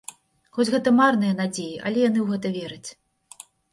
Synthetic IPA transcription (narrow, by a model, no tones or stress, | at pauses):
xɔt͡sʲɣɛt̪ɐmarnɨjɐnad͡zʲejiʔɐ̰lʲɛjan̪ɨwɣɛt̪̬ɐvʲɛɾɨt͡sʲ